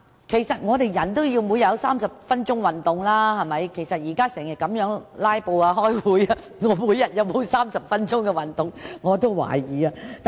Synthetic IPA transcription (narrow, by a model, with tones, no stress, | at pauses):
kʰe˨˩jsɐ˨t̚ŋɔː˨˧t̪e˨jjɐ˨˩nt̪o˥wjiː˧wmu˨˥jɐ˨˧wsaː˥msɐ˨p̚fɐ˥nt͡ʃʊ˥ŋwɐ˨˩nt̪ʊ˨ŋlaː˥hɐ˨mɐ˨jkʰe˨˩jsɐ˨t̚jiː˨˩kaː˥sɛː˨˩ŋjɐ˨t̚kɐ˨˥mjœː˨˥ŋlaː˥jpo˧waː˧ɦɔː˥jwuː˨˥ja˧ | ŋɔː˨˧˥muː˨˥jːɐ˨t̚jɐ˨˧wmo˨˧wsaː˥msɐ˨p̚fɐ˥nt͡ʃʊ˥ŋkɛ˧wɐ˨nt̪ʊ˨ŋŋɔː˨˧t̪o˥wwa̰ː˨˩jiː˨˩aː˧t̪